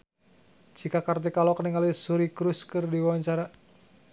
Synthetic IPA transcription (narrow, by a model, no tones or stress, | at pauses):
t͡ʃikakart̪ikalɔkəniŋalisuɾikɾuskɨrdiwaɲt͡ʃaɾa